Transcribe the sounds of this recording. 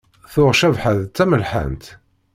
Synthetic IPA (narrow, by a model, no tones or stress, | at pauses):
θʊʁʃævħəðt͡sːæməlħə̰nt̪